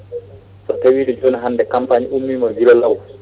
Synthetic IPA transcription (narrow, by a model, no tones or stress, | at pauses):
sɔtawiːɗɛd͡ʒɔnaɦanːdɛkampaɲiumːimɔɡilɔlaw